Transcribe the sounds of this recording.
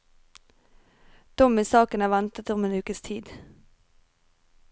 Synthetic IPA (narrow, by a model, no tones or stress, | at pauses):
d̪̥ɔmiːsɑːkənæːʋɛnt̪ət̪ʊmeːnʉːkəst̪ʰiːd̪